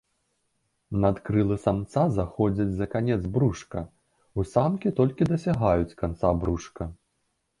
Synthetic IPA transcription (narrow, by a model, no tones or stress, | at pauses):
nɐt̪kɾɨlˠɨsamt̪sazaxɔd͡zʲɐd͡zʲzɐkanʲɛd̪zbɾuʂkɐ | usamkʲit̪ɔlʲkʲid̪ɐsʲaɣajut͡sʲkant̪sabɾuʂkɐ